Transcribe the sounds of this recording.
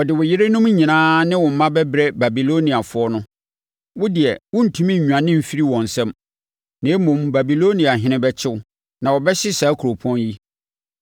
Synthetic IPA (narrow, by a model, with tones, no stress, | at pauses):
ɔ˨dɪ˨wʊ˨jɪ˦ɾe˦nʊ̃˦m˦ɲĩ˨nãː˦nɪ̃˦wɔ̃˨m̩˨˦mã˦bɛ˦bɾɛ˦ba˨bi˨lo˦nĩ˨a˨fʊ˦ɔ˦nʊ̃˦ | wʊ˦dɪ˨ɛ˨wʊ̃˦n̩˨tʰũ˦mĩ˦˨ũ˨ã˨nɪ̃˦m̩˨fi˦ɾi˦wɔ̃˨n̩˨sɛ̃˦m | nẽ˨˦mʊ̃˨mba˨bi˨lo˦nĩ˨a˨ɦɪ̃˨˦nɪ̃˦bɛ˦t͡ɕʰɪ˦wʊ˦ | nã˨wɔ˨bɛ˦ɕɪ˦saː˨˦kʰu˨ɾo˨pʰɔ̃˦nji˦